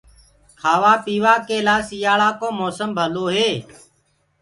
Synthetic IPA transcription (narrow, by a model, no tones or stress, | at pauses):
kʰaːʋaːpiːʋaːkeːlaːsijaːɭaːkoːmoːsəmbʱəloːɦeː